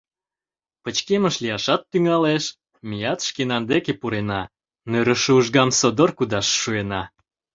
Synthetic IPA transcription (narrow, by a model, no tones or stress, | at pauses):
pət͡ɕkeməʃlijɑʃɑt̪ːyŋɑleʃ | mijɑt̪ʃkenɑnd̪ekepuɾenɑ | nøɾəʃuʒɡɑmsod̪orkud̪ɑʃːuenɑ